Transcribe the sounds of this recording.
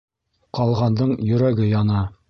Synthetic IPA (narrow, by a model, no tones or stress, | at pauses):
qɑlˠʁɑnd̪ɤɴjɵ̆ɾæɡɘjɑnɑ